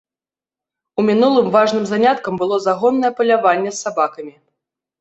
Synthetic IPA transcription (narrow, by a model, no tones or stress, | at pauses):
umʲinulˠɨmvaʐnɨmzanʲat̪kɐmbɨlˠɔzaɣɔnːɐjɛpɐlʲavanʲːɛsːabakɐmʲi